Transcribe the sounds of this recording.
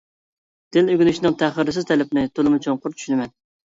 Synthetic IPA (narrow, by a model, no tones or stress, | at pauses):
d̪̥ɪlyɡʲynyʃinɨŋt̪ʰæχəɾɪsɪzt̪ʰɛlɪpnɪt̪ʰolˠɨmʊt͡ʃʰoŋqʊɾtt͡ʃʰy̥ʃynɪmɛn